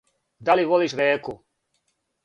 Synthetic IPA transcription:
d̪aliʋoliːʃɾeːku

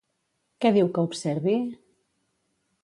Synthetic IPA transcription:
kɛðiwkəupsɛɾβi

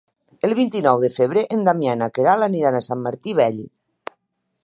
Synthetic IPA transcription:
elˠβ̞int̪inɔwðefeβ̞ɾeʔend̪amjanakeɾalaniɾanasamːaɾt̪iβɛʎ

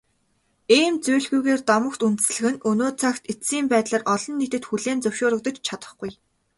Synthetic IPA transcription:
eːmt͡suːɮɣujɣeːrt̪ɔmə̆kt̪unt̪ɘ̥̆sɮɘ̆ɣɘ̆nɵnoːt͡sʰakt̪esiːmpæːt̪ɮaːrʔɔɮɞ̆nːet̪ɘ̆t̪xuɮeːnt͡sɵwʃoːɾə̆k̚t̪ə̆t͡ɕt͡ɕʰat̪ə̆χɡuj

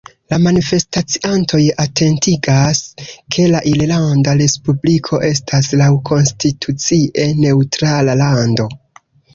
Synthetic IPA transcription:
lamanife̞stat͡siʔantʰo̞jatʰe̞ntiɡaskʰe̞laʔillandaɾe̞spublikʰo̞ʔe̞stʰaslawkʰo̞nstitʰut͡siʔe̞ne̞utɾalalando̞

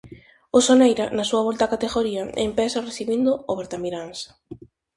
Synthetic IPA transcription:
ʊsonejɾanasuɐβ̞ɔlt̪akat̪eɣoɾiɐḛmpɛsɐreθiβind̪ʊoβeɾt̪amiɾans

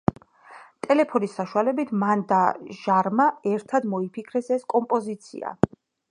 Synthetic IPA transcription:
t̪ʼɛlɛpʰɔnisːaʃualɛbit̪ʰmand̪aʒ̥aɾmaɛɾt̪ʰad̪mɔipʰikʰɾɛsɛskʼɔmpʼɔzit̪sʰḭa̰

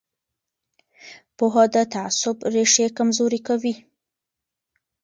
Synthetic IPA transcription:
poɦad̪ət̪aasʊbɾeʂekamzoɾikawi

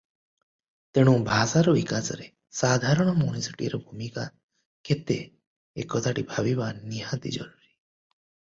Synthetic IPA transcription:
t̪eɽ̃ũbʱasaɾɔbikasɔɾe | sad̪ʱaɾɔɽ̃ɔmuɽ̃isiʈiɾɔbʱumika | ket̪e | ekɔt̪ʰaʈibʱabibaniɦat̪ḭd͡ʒɔ̰ɾuɾi

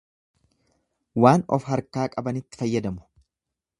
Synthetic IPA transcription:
waːnɔ̰fɦɐɾkaːkʼɐbɐnɪt̪ːɪ̥fɐjːɐd̪ɐmʊ̥

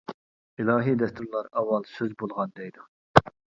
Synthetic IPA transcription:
ilˠɑːɦid̪ɛst̪ʰuɾlˠɑɾɑwːɑlˠsøzbolˠʁɑnd̪ɛjd̪u

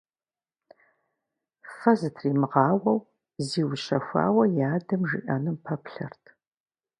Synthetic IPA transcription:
fɐzɨtʰriːmɨʁɑːwɐw | ziːwʊʃɐxʷa̰ːwɐjaːdɐmʒḭʔɐnɨmpʰɐpɬɐ̰rtʰ

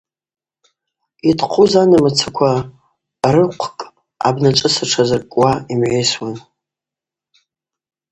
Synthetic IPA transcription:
idʰʼqʰʷuzanamat͡sʰakʷʰa | rɨqʷʰkʼ | a̰bnat͡ʃʼɨsaʈ͡ʂʰazarkʼwaimʕʷejswan

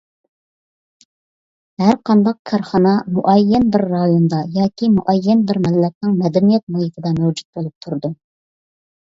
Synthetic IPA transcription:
hæɾqʰɑnd̪ɑq̚kʰɑɾχɑnɑmuʔɛjːɛnbɪɾːɑjond̪ɑjɑːkʲʰimuʔɛjːɛnbɪɾmɪlːɛt̪̚nɨŋmɛd̪ɛnijɛt̪̚mɑjit̪ʰɪd̪ɛmɛwd͡ʒut̪̚bolˠup̚t̪ʰuɾd̪u

